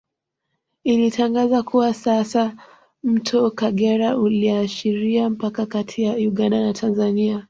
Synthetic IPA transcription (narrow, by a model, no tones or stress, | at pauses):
ilitʰaŋɡazakuwasasa | m̩tʰɔkaɠɛɾauliaʃiɾiam̩pakakatʰijauɠandanatʰanzania